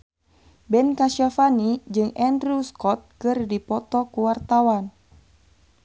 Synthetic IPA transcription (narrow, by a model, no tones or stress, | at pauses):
bɛnkaʃafanid͡ʒɨŋɛndɾuskɔt̪̚kɨrdipɔt̪ɔkuwart̪awan